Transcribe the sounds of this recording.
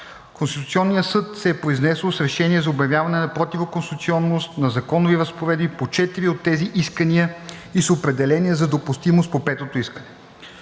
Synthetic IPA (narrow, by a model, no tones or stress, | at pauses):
konst̪i̥t̪ut̪siɔnːijəsɤt̪sɛːpɾoiznɛsəlˠsɾɛʃɛnʲiɛzɐobjɐvʲjavɐnɛnɐpɾot̪ivokonst̪it̪siɔnːost̪nɐzɐkɔnʊviɾəspoɾɛd̪bipot͡ʃɛt̪iɾiot̪ːɛziʔiskəniəisopɾɛd̪ɛlɛniəzɐd̪opʊst̪imost̪̚popɛt̪ot̪oiskənɛ